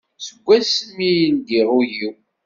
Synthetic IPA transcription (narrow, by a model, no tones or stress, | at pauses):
səɡʷːæsmijənd̪iʁujiw